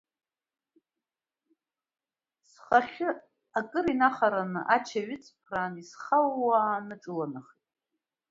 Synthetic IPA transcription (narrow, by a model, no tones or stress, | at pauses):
sχaχʲɪ | akʼɨɾinaχaɾanɨʔat͡ʃʰaɥɪt͡sʰʼpʰraːnisχawːaːnɨʈ͡ʂʼɨlanaχitʼ